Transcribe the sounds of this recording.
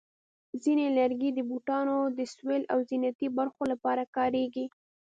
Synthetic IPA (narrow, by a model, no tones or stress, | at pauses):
zinelaɾɡid̪əbuʈɑnod̪əswelʔawzinat̪ibaɾxolapɑɾakɑɾeɡi